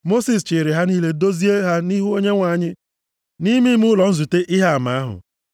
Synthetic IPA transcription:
mo˦si˨s̬t͡ʃɪ˨ɾɪ˨ɦa˦ni˦le˦do˦zi˦e˦ɦa˦ni˦ɦu˦o˦ɲe˦ŋʷa˨ɲɪ˦ | ni˦mi˦m˦ʊ˦lɔ˨n̩˦zu˨te˦ʔɪ˦ɦa˦a˨ma˨a˦ɦʊ̰˨

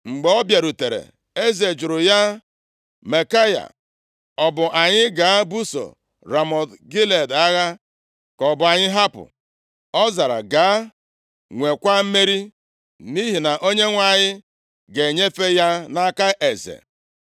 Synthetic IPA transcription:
ŋ͡m̩˨ɡ͡be˨ɔ˦bja˨ɾu˨te˨ɾḛ˨ | e˦ze˨d͡ʒʊ˨ɾʊ˨ja˦ | me˨ka˦ja̰˨ | ɔ˨bʊ˨ʔa˨ɲɪ˦ɡa˨˦bu˦so̰˨ | ɾa˨mɔ˨dɡi˦le˨da˦ɣa˦ | kɔ˨bʊ˨a˨ɲɪ˦ɦa˦pʊ̰˨ | ɔ˦za˨ɾa̰˨ɡaː˨˦ | ŋʷe˨kʷa˦m̩˦me˦ɾi˦ | mi˦ɦi˨na˨ʔo˦ɲe˦ŋʷa˨ɲɪ˦ | ɡe˨ɲe˦fe˦ja˦na˦ka˦ʔe˨zḛ˨

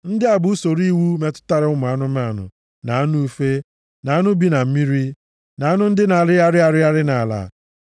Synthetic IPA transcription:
n̩˦dɪ˦a˨bʊ˦u˦so˨ɾi˦wu˦me˦tʊ̥˦ta˦ɾɪ˦ʊ˦mʊ˨a˦nʊ˦ma˦˨nʊ̰˨ | na˨a˦nu˦u˦fe˦ | na˨a˦nʊ˦bi˦na˨m̩˦mi˦ɾi˦ | na˨a˦nʊ˦n̩˦dɪ˦na˨ɾɪ˦a˦ɾɪ˦a˦ɾɪ˦a˦ɾɪ˦na˨la̰˨

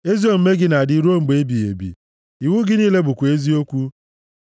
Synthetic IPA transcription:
e˦zi˦o˦m̩˦me˦ɡɪ˦na˨dɪ˦˨˦ɾu˦o˦ŋ͡m̩˨ɡ͡be˦bi˨ḛ˨bḭ˨ | i˨wu˦ɡɪ˦niː˦le˦bu˨kʷu˨e˦zi˦o˦kʷu˦

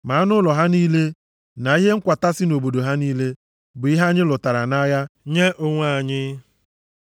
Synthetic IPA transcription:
ma˨a˦nʊ˦lɔ˨ɦa˦niː˦le˦ | na˨i˦ɦe˦ŋ̩˦kʷa˨ta˦sɪ˦no˨bo˨do˨ɦa˦niː˦le˦ | bʊ˨i˦ɦa˦ɲɪ˦lʊ˨ta˨ɾa˨na˦ja˦ɲe˦ʔʊ˦ŋʷa˦˨a˨ɲɪ˦

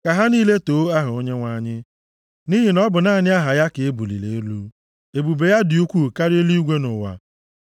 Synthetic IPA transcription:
ka˨ɦa˦niː˦le˦toː˨˦a˦ɦʊ˨o˦ɲe˦ŋʷa˦˨ɲɪ˦ | ni˦ɦi˨nɔ˦bʊ˨naː˦˨ɲɪ˦a˦ɦa˨ja˦kɪ˨e˦bu˨lḭ˨lḛ˨e˦lu˦ | e˨bu˨be˨ja˦dɪ˨u˦kʷu˦˨ka˦ɾe˦li˦ɡʷe˦nʊ˨wa̰˨

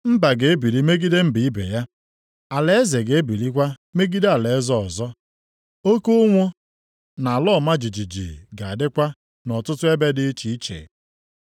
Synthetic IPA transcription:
m̩˦ba˨ɡe˨e˦bi˨ɾi˦me˦ɡi˦de˦m̩˦bi˨i˦bḛ˨ja˦ | a˨le˨e˦ze˨ɡe˨e˦bi˨ɾi˦kʷa˦me˦ɡi˦de˦a˨le˨˦zɔ˦ɔ̰˨zɔ˦ | o˦ko˦ŋʷo˦ | na˨lɔ˦˨ma˦d͡ʒi˨d͡ʒi˨d͡ʒḭ˨ɡa˨a˨dɪ˦kʷa˦ | nɔ˨tʊ˦tʊ˦e˦be˦dɪ˦t͡ʃi˨i˦t͡ʃḛ˨

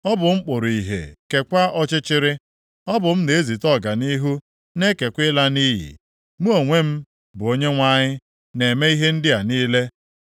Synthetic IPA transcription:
ɔ˦bʊ˨ŋ͡m̩˦k͡pʊ˨ɾi˨ɦḛ˨ke˨kʷa˦ʔɔ˦t͡ʃɪ˦t͡ʃɪ˦ɾɪ˦ | ɔ˦bʊ˨m̩˦ne˨e˦zi˨tɔ˦˨ɡa˨ni˦ɦu˦ | ne˦ke˨kʷɪ˦la˦niː˦jḭ˨ | mu˦o˨ŋʷe˦m̩˦ | bʊ˨o˦ɲe˦ŋʷa˦ɲɪ˦ | ne˨me˦i˦ɦe˦n̩˦dɪ˦a˨niː˦le˦

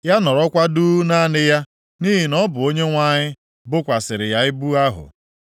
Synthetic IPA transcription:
ja˦nɔ˨ɾɔ˦kʷa˦duː˦na˦nɪ˦ja˦ | niː˦ɦi˨nɔ˦bʊ˨o˦ɲe˦ŋʷa˦ɲɪ˦ | bʊ˦kʷa˨sɪ˨ɾɪ˨ja˨ɪ˦bu˦a˦ɦʊ̰˨

